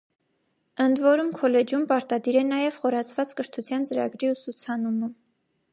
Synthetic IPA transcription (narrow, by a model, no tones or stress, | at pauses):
ənd̪vɔɾumkʰɔlɛd͡ʒumpɑɾt̪ɑd̪iɾɛnɑjɛv̥χɔɾɑt͡sʰvɑt͡skəɾt̪ʰut͡sʰjɑnt͡səɾɑ̰ɡɾiusut͡sʰɑnumə